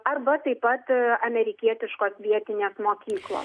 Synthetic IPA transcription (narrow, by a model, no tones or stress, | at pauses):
ɐrbɐt̪ɐɪpɐt̪ɐmʲɛɾʲɪkʲiɛt̪ʲɪʃkoːsʋʲiɛt̪ʲɪnʲeːsmoːkʲiːklˠo̰ːs